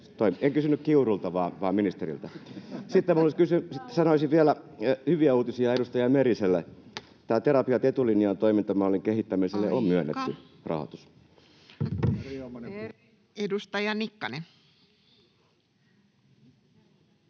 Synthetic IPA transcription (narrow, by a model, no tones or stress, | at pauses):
t̪oimeŋkysynːykkiurult̪ɑʋɑːʋɑːminist̪erḭlt̪ɑsit̪ːemoliskysysit̪ːsɑnoisiʋʋielæhyʋiæuːt̪isiɑedust̪ɑjɑmeɾiselːe | t̪æːt̪eɾɑpiɑt̪et̪ulinijɑnt̪oimint̪ɑmnoliŋkehit̪ːæmiselːeʔommyønːḛt̪ːy | rɑ̰ho̰t̪u̥s | edust̪ɑjɑnikːɑnen